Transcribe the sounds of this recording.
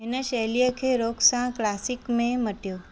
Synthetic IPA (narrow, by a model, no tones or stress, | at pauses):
enəʃelijəkʰeɾoksãklasikmẽməʈjo